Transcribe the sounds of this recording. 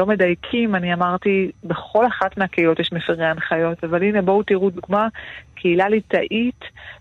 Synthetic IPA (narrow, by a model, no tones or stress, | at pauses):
o̞me̞dajkʰimaniamaʁt̪ibeχo̞laχatmeakeilo̞tjɛʃmefeʁeanχajo̞tavaline̞bo̞wtiʁuduɡmakʰeilalitaʔit